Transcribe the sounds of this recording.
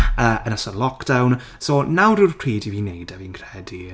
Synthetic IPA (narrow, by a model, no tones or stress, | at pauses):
əːənəsɔrlˠɔkd̥awn | soːnawɾurkʰriːdiviːnejdəvinkʰrɛdi